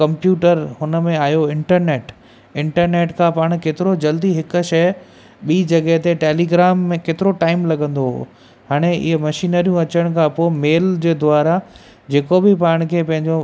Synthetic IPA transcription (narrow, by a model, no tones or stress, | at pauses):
kɐ̃mpjuːʈəɾɦʊnə̆mẽaːjoɪ̃ɳʈəɾneːʈ | ɪ̃ɳʈəɾneːʈkʰãpaːɽ̃keːt̪ɪɾod͡ʑɐld̪iɦɪkʊ̆ʃɐj | ɓiːd͡ʑɐɡɛɦt̪eʈeːliːɡɾaːmːẽkeːt̪ɪɾoʈaːɪmlɐɠə̃nd̪oɦo̰ː | haːɽ̃eɪ̰ɦmɐʃiːnəɾijũɐt͡ɕəɽ̃kʰãpoːmeːld͡ʑeːd̪ʊaːɾa | d͡ʑeːkobɪpaːɽ̃kʰeːpɐ̃ɦɪ̃ɲd͡ʑo